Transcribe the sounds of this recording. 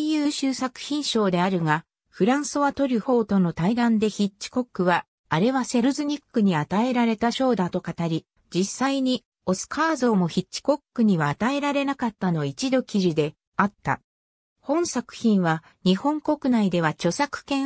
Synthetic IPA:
jɯːɕɨːsakɯ̟̥çĩɰ̃ɕo̞ːd̪e̞aɾɯ̟ŋa | ɸɯ̟ɾãɰ̃sɨβat̪o̞ɾʲɯ̟ho̞ːt̪o̞no̞t̪aiɡãnd̪e̞çit͡ɕɕi̥ko̞kːɯ̟βaː | ɾe̞βase̞ɾɯzɨɲ̟ikːɯ̟ɲ̟iat̪ae̞ɾaɾe̞t̪aɕo̞ːd̪at̪o̞kat̪aɾʲi | d͡ʑisːaiɲ̟i | o̞sɨ̥kʰaːzo̞ːmo̞çit͡ɕt͡ɕːi̥ko̞kːɯ̟ɲ̟iβaːt̪ae̞ɾaɾe̞nakat̪ːano̞it͡ɕid̪o̞kʲiʑid̪e̞ | at̪ːa̰ | hõ̞ɰ̃sakɯ̟̥çĩɰ̃βa | ɲ̟ihõ̞ŋko̞kɯ̟naid̪e̞β̞at͡ɕo̞sakɯ̟̥kẽ̞

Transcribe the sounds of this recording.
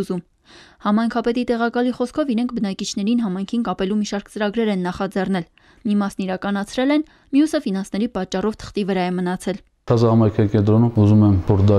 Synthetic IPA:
uzum | hɑmɑjŋkʰɑpɛt̪it̪ɛʁɑkɑliχɔskʰɔviɾɛŋkʰbənɑkit͡ʃʰn̪ɛɾinɦɑmɑjŋkʰinkɑpɛlumiʃɑɾkt͡səɾɑɡɾɛɾɛnːɑχɑd͡zɛrn̪ɛl | mimɑsniɾɑkɑn̪ɑt͡sʰɾɛlɛn | mjusəfinɑnsnɛɾipɑt͡ʃːɑrɔvt̪ʰə̥χt̪ivəɾɑjɛmənɑt͡sʰɛlʰ | ɑzɑhɑmɑjkʰɑikɛnt̪ɾɔnumuzumɛmvɔɾd̪ɑ

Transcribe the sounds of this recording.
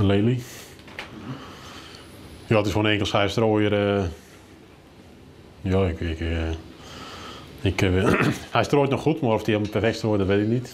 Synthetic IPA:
əleːli | joːətɪsʋoːnɛŋkəlˠsxɛjəstroːjərə | joːɪkk | ɪkəhɛjstroːjtnɔxutmarɔfdiɛməpɛfɛktstroːjədɔtʋetɪknit

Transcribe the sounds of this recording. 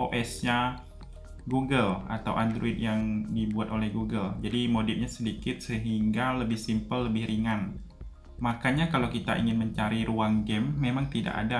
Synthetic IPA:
oʔɛsɲa | ɡuɡəla̰t̪awʔand̪ɾoɪt̪̚jaŋdibuat̪olɛhɡuɡəld͡ʒadimodɪp̚ɲasədikɪt̪̚səɦiŋɡaləbɪhsimpəlːəbɪhɾʔiŋan | makaɲakalawkit̪a̰ʔḭŋɪnməɲt͡ʃaɾiɾuaŋɡɛmːemaŋt̪ida̰ʔa̰da

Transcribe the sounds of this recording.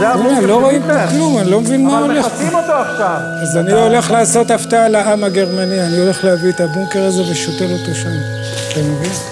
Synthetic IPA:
lolo̞ʁoimtoklumanilo̞mevinmmaoleχot̪oaʃav | azaniole̞χlaːso̞t̪aft̪aalaʔamaɡe̞ʁmanianio̞le̞χleaviet̪abuŋke̞ʁaze̞veʃot̪elot̪oʃam | tamevin

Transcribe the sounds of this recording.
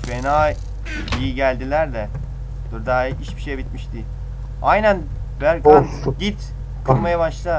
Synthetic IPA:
fenaːj | ijiɟælʲd̪ilʲæɾd̪ɛ | d̪̥uɾd̪aːiiʃbi̥ʃejbit̪miʃd̪i | ajnæn | bæɾka | ɟit̪ | kʰlˠmajabaʃlˠa

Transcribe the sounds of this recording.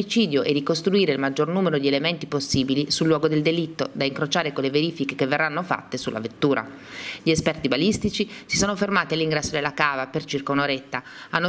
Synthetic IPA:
it͡ʃiːd̪joʔed̪ikost̪ɾuiːɾeilmad͡ʒːornuːmeɾod̪ielement̪iposːiːbilisulːwɔːɡod̪eld̪elit̪ːod̪aiŋkɾot͡ʃaːɾekoleveɾiːfikekevːerːanːofa̰t̪ːesulːʔa̰vet̪ːuːɾa̰ | ʎiespɛrt̪ibalist̪it͡ʃisisoːnofermaːt̪ialːiŋɡɾɛsːod̪elːakaːvapert͡ʃirkaunoɾet̪ːa | anːo

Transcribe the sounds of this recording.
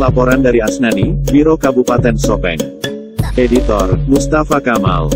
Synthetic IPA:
lapɔɾandaɾiasnanibiɾokabupat̪ɛnsɔpɛ̰ŋ | edit̪ɔrmust̪afakama̰l

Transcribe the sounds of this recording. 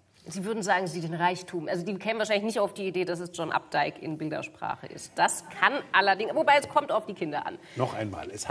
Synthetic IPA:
ziːvʏɐdn̩zaːɡŋ̩ziːdeːnʁaɪçtʰuːmʔalzodiːkʰɛːmənvaʃ̬aɪlɪçnɪçtaʊfd̥iːideːdas̬ɛsd͡ʒɔnʔa̰p̚d̥aɪkɪ̰nbɪldɐ̰ʃpʁ̥a̰ːχə̰ʔɪ̰st̚d̥askʰanʔalɐdɪŋvobaɪɛskʰɔmtaʊfd̥iːkʰɪndɐʔa̰n | nɔχʔaɪnma̰ːlɛsha

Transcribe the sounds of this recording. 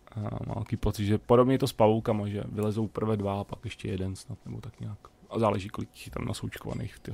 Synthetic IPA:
ama̰ːɛkiːpot͡sɪd̪ʒɛpoɾo̞bɲɛt̪ospavowkamaʒɛ̰vɪlɛzowpr̩vɛdvaapakjɛʃcɛ̰jɛdɛnsnat̪nɛbo̞t̪akɲaːkazaːlɛʒiːkolɪccɪ̥xɪt̪amnʔasowt͡ʃkova̰nḛjxft̪ɪ

